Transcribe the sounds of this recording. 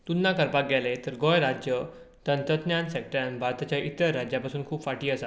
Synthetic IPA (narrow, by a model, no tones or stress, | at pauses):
t̪unːakəɾpak̚ɡɛlet̪əɾɡojɾad͡ʑjə | t̪ənt̪ɾət̪njansɛk̚ʈəɾanbʱaɾt̪at͡ɕjaʔit̪əɾːad͡ʑjapasuːnkʰuːpfaʈiːəsa